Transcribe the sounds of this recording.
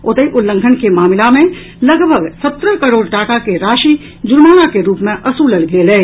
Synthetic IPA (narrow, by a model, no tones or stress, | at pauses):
ʊt̪əiʔʊlːə̃ŋɡʱənkemaːmɪlamẽ | lɐɡbʱəɡsɐt̪ɾəkəɾoːɽʈaːkakeɾaːʃi | d͡ʒʊɾmaːnakeɾuːpmẽʔɐsuləɽɡeleː